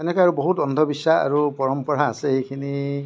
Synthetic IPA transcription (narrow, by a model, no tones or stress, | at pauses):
enekaaɹubɔɦutɔnd̪ʱɔbisːaa̰ɹupɔɹɔmpɔɹaːsehejkʰini